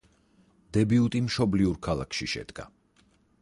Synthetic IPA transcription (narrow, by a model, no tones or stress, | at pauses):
d̪̥ɛbiut̪ʼimʃɔbliuɾkʰalˠa̰kʰʃiʃɛ̰d̪̥ɡa̰